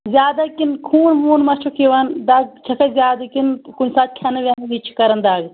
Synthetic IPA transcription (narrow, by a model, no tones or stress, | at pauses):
zʲjaːd̪ɐkinkʰuːnmuːnmɐt͡ʃʰukʰiʋɐnd̪aːɡ̚t͡ʃʰɐkʰɐzʲjaːd̪ɐkinkunsaːt̪̚kʲʰɐnɐʋɐːnnit͡ʃʰi̥kɐɾɐnd̪aːɡ